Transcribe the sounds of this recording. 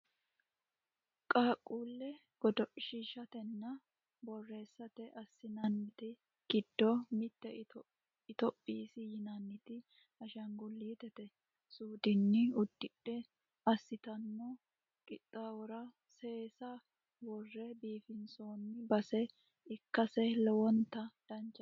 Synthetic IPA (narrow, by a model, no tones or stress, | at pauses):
kʼaːkʼːuːlːɛ | ɡ̥ɔd̪ɔʃiːʃɐt̪ɛnːɐ | bɔrːe̞ːsːɐt̪ɛʔɐsːɪnɐnːɪt̪ɪ | ɡ̥ɪd̪ːɔmɪt̪ːɛ | ɪt̪ɔpʼːiːsɪjɪnɐnːɪt̪ɪ | ɐʃɐŋɡʊlːiːt̪ɛt̪ɛ | suːd̪ɪnːɪʊd̪ːɪᶑːɛ | ɐsːɪt̪ɐnːɔ | kʼɪt̪ʼːawɔɾɐ | se̞ːsɐ | wɔrːɛbiːfɪnsoːnːɪbɐsɛ | ɪkːɐsɛlɛwɔnt̪ːɐd̪̥ɐnt͡ʃːɐ